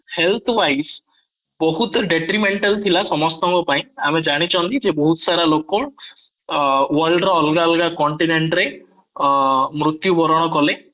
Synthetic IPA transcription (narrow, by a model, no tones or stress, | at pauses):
helt̪ʰɔwajs | bɔɦut̪ɖeʈɾimeɳʈalt̪ʰilasɔmɔst̪ɔŋkɔpaĩamed͡ʒaɽ̃it͡ʃʰɔ̃nt̪ʰid͡ʒebɔɦut̪ɔ̥saɾalokɔ | wɔɾɭɖɔɔlɡalɡakɔɳʈineɳʈɾe | mɾut̪jubɔɾɔɽ̃ɔkɔle